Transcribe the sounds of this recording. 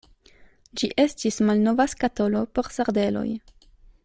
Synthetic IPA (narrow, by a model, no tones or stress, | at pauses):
d͡ʒiʔe̞stismalno̞vaskato̞lo̞po̞ɾsaɾde̞lo̞̰j